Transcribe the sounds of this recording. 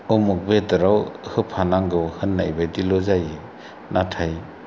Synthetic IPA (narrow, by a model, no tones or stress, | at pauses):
ɔmɔk̚bedaɾawhɯpʰanaŋɡɯhɯnːajbajdilɔzaje | natʰaj